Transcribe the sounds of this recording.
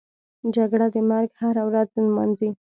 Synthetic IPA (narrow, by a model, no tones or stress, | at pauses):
d͡ʒaɡɽad̪əmaɾɡhaɾawɾaznmanzi